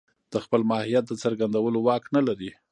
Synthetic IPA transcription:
d̪̥əxpəlmɑhijat̪̚d̪ət͡saɾɡand̪awəlowɑknalaɾi

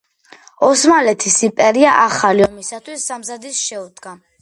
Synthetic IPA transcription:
ɔsmalɛt̪ʰisimpʼɛɾiaʔaχaliɔmisat̪ʰwisːamzad̪isʃɛud̪ɡa

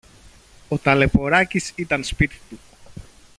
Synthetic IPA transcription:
o̞t̪ɐle̞po̞ɾɐcisit̪ɐnspit̪i̥t̪u

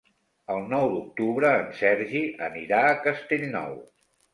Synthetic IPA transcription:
əlˠnɔwd̪uk̚t̪uβɾəːnsɛɾʒiʔəniɾaəkəst̪eʎnɔ̰w

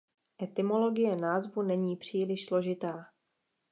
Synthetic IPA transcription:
ʔɛt̪ɪmo̞lo̞ɡɪjɛnaːzvunɛɲiːpr̝̥iːlɪʃslo̞ʒɪt̪aː

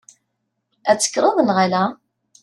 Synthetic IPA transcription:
æt͡sːə̥kːɾˤɑðˤənʁalæ

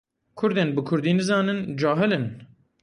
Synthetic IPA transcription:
kʰʊɾd̪eːnbɨkʰʊɾd̪iːnɨzɑːnɨnd͡ʒɑːɦɨlɨn

